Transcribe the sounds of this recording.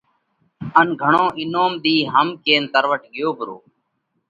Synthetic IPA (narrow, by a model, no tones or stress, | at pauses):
ənɡʱəɳõːʔɪnoːmd̪iːɦəmkeːnt̪əɾʋəʈɡɪjoːbʱʊɾo̰ː